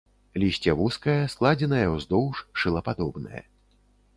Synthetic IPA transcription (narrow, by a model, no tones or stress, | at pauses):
lʲisʲt͡sʲɛvuskɐjɐsklˠad͡zʲɛnɐjɐwzd̪ɔwʂʂɨlˠɐpad̪ɔbnɐ̰jɐ̰